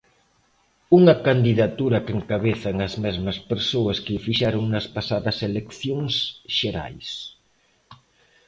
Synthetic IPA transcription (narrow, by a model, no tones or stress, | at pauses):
uŋɐkand̪iðat̪uɾɐkeŋkaβ̞eθɐŋɐzmɛzmɐspeɾsoɐskɪfiʃaɾoŋnɐspasaðɐselekθjoŋsʃeɾa̰js